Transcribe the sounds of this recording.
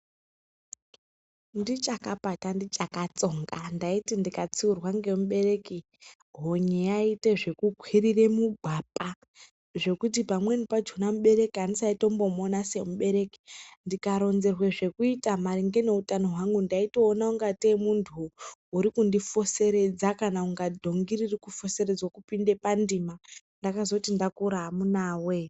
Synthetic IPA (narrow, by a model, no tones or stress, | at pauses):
ndit͡ʃakapatandit͡ʃakat͡so̞ŋɡandaitindikat͡siurwaŋɡe̞muɓe̞re̞ki | ɦoɲejaite̞ʐe̞kukʰwirire̞muɡʱapa | ʐe̞kut̬ipamwe̞nipad͡ʒunamuɓe̞re̞kiandisaito̞mbo̞monase̞muɓe̞ɾe̞ki̥ndikaɾo̞nze̞rwe̞ʐe̞kuitamaɾiŋɡe̞ne̞utano̞ɦwaŋɡundaito̞ːnauŋɡatemuntʰuːɾikundifo̞se̞ɾe̞d͡zakanauŋɡadʱo̞ŋɡiririkufo̞se̞ɾed͡zwokupinde̞pandima | ndakazokutindakuɾaɦːmunaːwe